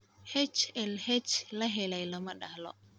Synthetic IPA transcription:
hɛt͡ʃɛlhɛt͡ʃlaɦɛlajlamaɗalɔ̰

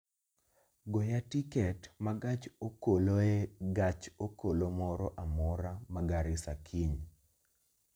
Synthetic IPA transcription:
ɡɔjatikɛtmaɡat͡ʃokoloeɡat͡ʃokolomɔɾɔʔamɔɾamaɡaɾɪsakʰiɲ

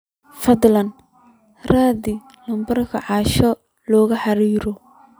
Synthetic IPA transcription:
fɐd̪lɐn | raːdɪ | lɐmbɐrkʰɐʕɑːʃɔ | lɔːɣɐħɑɾiːɾɔ

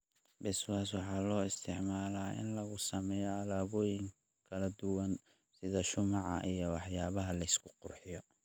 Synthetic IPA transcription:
bɛswaːs̬wɑħɑːlɔːɪst̪ʰɪʕmaːlaːʔɪ̰nlɐɣʊsɐmɛːjɐɐlaːβɔːjɪŋ | kʰɐlɐd̪ʊwɐn | sɪðɐʃʊmɑʕɑ̰ʔijɔwɑħjaːβɐɦɐlɐɪskʰʊ̥qʊrħɪjɔ

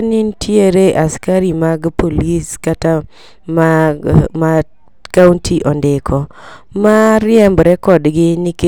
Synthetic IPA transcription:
nintʰjeɾeʔaskaɾimaɡpoliskata | mama | kauntʰiʔɔndɪkʰɔ | maɾɪɛmbɾɛkɔdɡɪnike

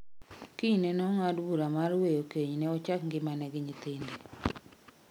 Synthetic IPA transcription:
kiɲnenɔŋadbuɾamaɾwejokeɲnɛɔt͡ʃakŋɡɪmanɛɡɪɲit̪ende

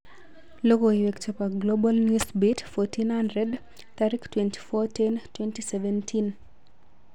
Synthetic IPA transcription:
loɡoiwekt͡ʃopaɡlobalnjusbitfɔtinhandɾɛd | t̪aɾiktwɛnti̥fɔtɛntwɛntisɛvɛntʰin

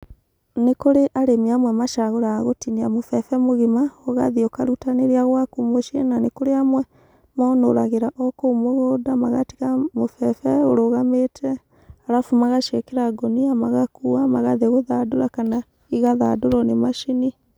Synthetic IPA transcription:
nekoɾeʔaɾemiamwɛmaʃaɣoɾaɣotiniamofɛfɛmoɣimaoɣaðiokaɾutaneɾiaɣwakumoʃenanekoɾeamwɛ | mɔno̰ɾaɣeɾaʔɔkoumoɣoːdamaɣati̥ɣamofɛfɛoɾoɣametʰɛ | aɾafumaɣaʃekɛɾaɡɔniamaɣakuamaɣaðeɣoðadoɾakana | iɣaðadoɾɔnemaʃini

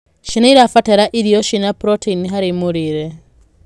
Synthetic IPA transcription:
ʃinaiɾafatɛɾaʔiɾiɔʃinapɾɔteiniɦaɾemoɾiɾɛ

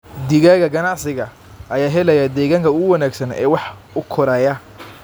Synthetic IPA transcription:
d̪ɪɣaːɣɐɡɐnɑʕsɪɣɐ | ʔɐjaːɦɛlɐjɐd̪ɛːɣaːŋkʰɐʊwɑnæːɡsɐnɛ̰ːwɑħ | ʊkʰɔɾɐjɐ

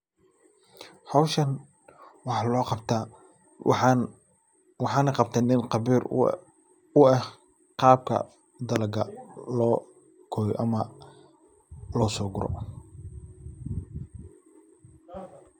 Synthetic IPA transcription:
ħɔwʃɐn | wɑħlɔːqɑbt̪ʰaː | wɑħɑːnɐqɑb̚t̪ʰɛːnɪnqɑbiːr | ʊɛh | qɑːb̚kʰɐ̰ | d̪ɐlɐɡɐ̰lɔː | kʰɔːj̰ʔɐmɐ | lɔːsɔːɡʊɾɔ̰

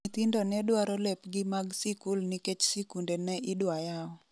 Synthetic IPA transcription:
it̪indɔnɛdwaɾɔlɛpɡɪmaɡsikulniket͡ʃsikundɛnɛʔɪdwajaɔ

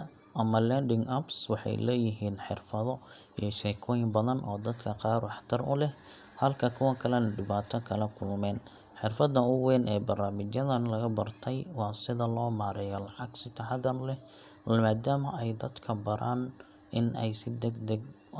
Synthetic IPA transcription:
ʔɐmɐlɛnɖɪŋɡɐbswɑħɑ̰jlɛːjɪɦiːnħɪ̰rfɐðɔ | ḭjɞʃɛkʰɔːjɪmbɐðɐnʔɔːd̪ɐd̪kʰɐqɑːrwɑħt̪ʰɐɾʊ̰lɛh | hɐlkʰɐkʰʊwɐkʰɐlɛnɐɖɪβaːt̪ʰɐkʰɐlɛkʰʊlmɛːn | ħɪrfɐd̪ɐʊwɛːnʔɛːbɐrnaːmɪt͡ʃjɐðɐnlɐɣɐbɐrt̪ʰɛjwɑːsɪðɐlɔːmaːɾɛjɔlɑʕɑɡsɪt̪ʰɐħɑd̪ɐnlɛ | maːd̪aːmɐʔɛjd̪ɐd̪kʰɐbɐɾʔaːn | ɪnɛ̰jsɪd̪ɛɡd̪ɐɡ

